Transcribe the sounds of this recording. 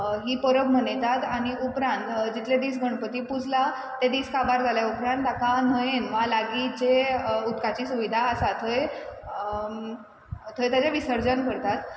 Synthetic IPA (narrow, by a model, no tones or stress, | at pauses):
ɦiːpəɾəbm̤əɳt̪at̪aɽ̃iupɾãnt̪d͡ʑit̪led̪iːsɡʱəɳpət̪iːpud͡zʱla | t̪ẽd̪iːskabaɾd͡zʱaljaupɾãnt̪̚ːakãn̤əjenmʋalaɡit͡ɕeut̪kat͡ɕiːsuʋid̪ʱaəsat̪ʰəj | t̪ʰəjt̪jat͡ɕjaʋisəɾd͡zənkəɽt̪at̪